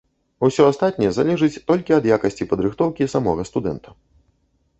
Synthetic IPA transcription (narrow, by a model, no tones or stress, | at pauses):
usʲɔast̪at̪̚ʲnʲɛjɛzalʲɛʐɨt͡sʲt̪ɔlʲkʲiɐd̪jakɐsʲt͡sʲipɐd̪ɾɨxt̪ɔwkʲisamɔ̰ɣɐst̪ud̪ɛnt̪ʰɐ̥